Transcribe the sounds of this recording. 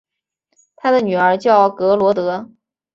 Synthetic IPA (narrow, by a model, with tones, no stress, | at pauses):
t̪ʰa˥d̪ə˨ny˨˩ə˞˧˥t͡ɕjɑ˥˩ʊkɤ˧˥lwɔ˧˥t̪ɤ˧˥